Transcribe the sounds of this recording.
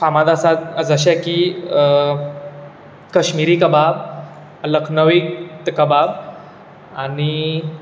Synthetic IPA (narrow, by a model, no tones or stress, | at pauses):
famad̪asat̪əd͡zəɕɛki | kəɕmiɾiːkəbab̚ | ələkʰnəʋikt̪kəbab̚ | ani